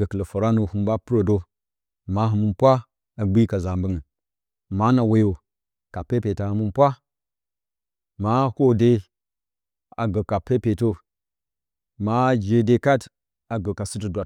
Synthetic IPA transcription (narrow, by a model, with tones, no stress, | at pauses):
ɡə˨kə˨lə˨fa˨ɾa˦no˨hu˦m˦ba˦pu˦ɾo˨do˦ | ma˦ɦɨ˨mɨ˦npʷa˦ | a˨ɡ͡bi˦ka˨za˨mbə˦ŋə˨ | ma˦na˨we˨jo˨ | ka˨pe˦pe˨ta˨hɨ˦mu˦npʷa˦ | ma˦ho˦de˦ | a˨ɡə˨ka˨pe˦pe˨to˦ | ma˦d͡ʒe˨de˦ka˦t | a˨ɡə˨ka˨sɨ˦tə˦dwa˨